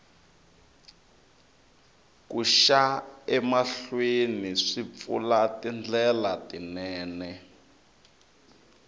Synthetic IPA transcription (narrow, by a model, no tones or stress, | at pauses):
kuʃaɛmaɬweniʂip̪fṵlatind͡ɮɛlatinɛːnɛ